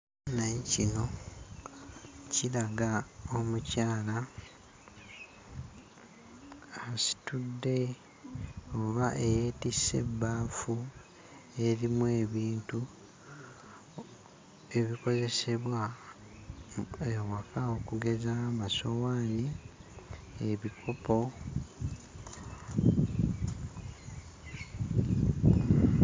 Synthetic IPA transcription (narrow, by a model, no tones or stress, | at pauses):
nacino̞ | cilaɡao̞mucaːla | asi̥tudːe̞ | o̞βaʔejeːtise̞̰baːfu | e̞ɾimwe̞ːβiːntu | e̞βiko̞ze̞se̞βwa | ewakaokuɡe̞zamaso̞waːni | eβikʰo̞po̞